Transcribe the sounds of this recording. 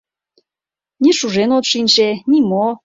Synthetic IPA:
nʲiʃuʒenot̪ʃinʲʃenʲimo

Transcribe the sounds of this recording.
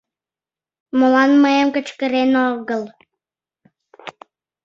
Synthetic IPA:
mŏlɑnmɤemkə̆t͡ɕkə̆ɾenoɣɤ̆l

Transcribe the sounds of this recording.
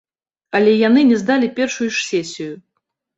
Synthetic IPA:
ɐlʲɛjanɨnʲɛzd̪alʲipʲɛrʂujuʂsʲɛsʲiju

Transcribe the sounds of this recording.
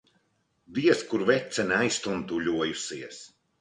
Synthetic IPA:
d̪iɛskuɾvɛt̪sɛnajst̪unt̪uʎʲuɔjusiɛs

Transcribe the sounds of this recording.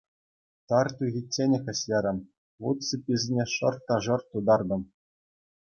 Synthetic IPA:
t̪ɑrt̪uɣʲitʲːenʲexʲɘ̆ɕʲjʲeɾʲɘ̆m | ʋut̪t͡sɤ̆pʲizʲnʲeʂɤ̆rt̪ːɑʐɤ̆rt̪ud̪ɑrd̪ɤ̆m

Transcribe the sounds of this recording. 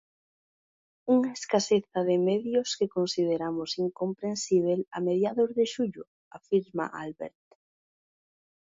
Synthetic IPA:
uŋaeskaseθaðɪmeðjʊskekonsiðeɾamʊsiŋkompɾensiβ̞ela̰meðjaðozðeʃuʎʊ | afiɾma̰ʔa̰lβḛɾt̪

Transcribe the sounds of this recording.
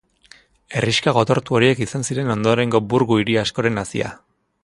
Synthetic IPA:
e̞riʃkaɣ̞o̞t̪o̞ɾt̪uo̞ɾie̞kisansiɾe̞no̞nd̪o̞ɾe̞ŋɡo̞buɾɣuiɾiasko̞ɾe̞nasḭa̰

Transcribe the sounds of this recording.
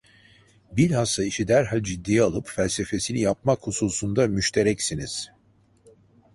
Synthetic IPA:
biɾʲhasaiʃid̪æɾɦalʲd͡ʒid̪ːijalˠɯpfælʲse̞fe̞sinijap̚makhususund̪amyʃt̪ʰe̞ɾɛcsiniz̥

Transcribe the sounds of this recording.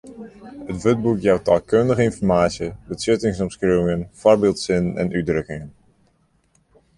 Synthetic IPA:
ətʋøt̚bukjawtaːlˠkøndəɣəɪnfɔɹmaːtsjəbəsɪtɪŋsɔmskreːwɪŋənfɔrbɪːlˠtsɪnnɛ̰nʔydrøkɪŋən

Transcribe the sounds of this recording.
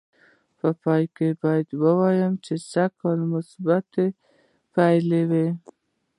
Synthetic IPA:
pəpɑjkebɑjad̪wəwɑjəmt͡ʃesakɑlmʊsbat̪e | pajlewi

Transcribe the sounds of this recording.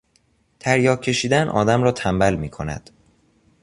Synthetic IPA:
t̪ʰæɾjɒːcʰe̞ʃiːd̪ænʔɒ̰ːd̪æmɾɒːt̪ʰæmbælmiːkʰo̞næ̰d̪̥

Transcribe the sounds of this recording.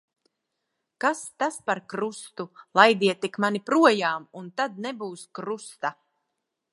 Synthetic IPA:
kast̪aspaɾkɾust̪ulˠajd̪iɛt̪ikmanipɾuɔjaːmunt̪ad̪̚nɛbuːskɾust̪a

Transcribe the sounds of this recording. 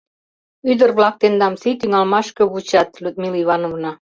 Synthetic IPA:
yd̪ə̆rβlɑk̚t̪end̪ɑmsit̪yŋɑlmɑʃkɤ̆βut͡ɕɑt̪lʲud̪̚miliβɑnovnɑ

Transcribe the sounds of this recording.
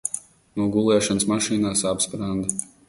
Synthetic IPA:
nuːɡulˠɛːʃansmaʃiːnaːsapspɾand̪

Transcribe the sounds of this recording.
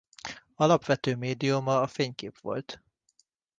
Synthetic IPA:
ɒlɒpʋɛt̪øːmeːd̪iumɒːfeːɲkḛːpʋo̞̰lt̪

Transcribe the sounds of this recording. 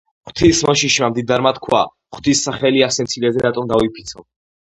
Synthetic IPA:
χt̪ʰismɔʃiʃmamd̪id̪aɾmat̪kʰwa̰ | χt̪ʰisːaχɛliasɛnt̪sʰilɛzɛɾat̪ʼɔmd̪avipʰi̥t̪sʰɔ

